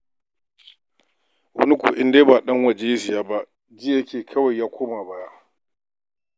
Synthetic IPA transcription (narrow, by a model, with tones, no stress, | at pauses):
wɐ̰˦ni˦kʷṵ˨ʔɪ˦ndeː˦baː˨ɗɐ˦ŋwɐ˨d͡ʒe˦jɪ˦zɪ˨jaː˦ba˦ʔ | d͡ʒɪ˦jɐ˦kʲeː˨kʰɐ˦wa˨jːaː˦kʷoː˦maː˨ba˨ja˦ʔ